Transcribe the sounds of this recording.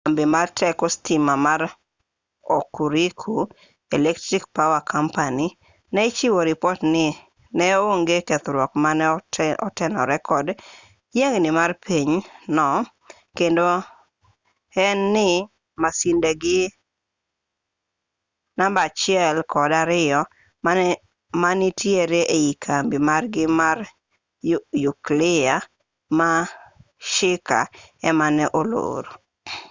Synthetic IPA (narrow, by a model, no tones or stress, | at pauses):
ambimartʰɛkostimamaɾ | okuɾikʰu | ɛlɛktɾikpawakʰampani | nɛɪt͡ʃiwoɾipɔtnɪ | nɛoŋɡekɛt̪ɾwɔkmanɔ̰tɛnɔ̰ɾɛkʰɔd | jeŋnɪmarpʰiɲnɔ | kendo | ɛnːɪ | masindeɡɪ | nambat͡ʃɪɛlkɔdaɾɪɔ | manɪtʰjeɾeʔeikʰambimarɡɪmar | juklɪa | ma | ʃɪka̰ɛmanɛʔolo̰ːɾo